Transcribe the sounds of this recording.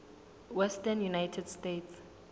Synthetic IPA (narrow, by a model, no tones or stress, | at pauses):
wɛstɛnjunajtʰɛdstetʰs